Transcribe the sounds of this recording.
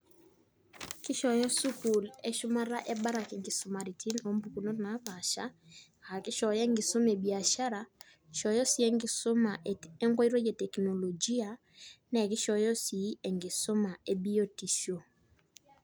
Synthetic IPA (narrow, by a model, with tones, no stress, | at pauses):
kɪ˦ʃɔ˨jɔ˦su˦ku˨lɛ˦ʃʊ˦ma˦ɾa˦ʔɛ˦ba˦ɾa˨kɛ˨ŋɡɪ˨sʊ˨ma˨ɾi˨tʰi˦no˨˦mbu˨ku˨no˦tna˨˦pa˨ʃa˦˨ | a˨kɪ˦ʃɔ˨jɛ˦ŋɡɪ˨sʊ˦me˨bi˨a˨ʃa˦ɾa˨ | ʃɔ˨jɔ˦si˦e˦ŋɡɪ˨sʊ˦ma˨ʔɛ˦ŋɡɔ˦i˦ɾo˦je˨tɛ˨kno˨lo˨d͡ʒi˦a˨ | nɛ˨kɪ˦ʃɔ˨jɔ˦si˨˦ɛ˨ŋɡɪ˨sʊ˦ma˨e˨bi˦o˦ti˨ʃo˨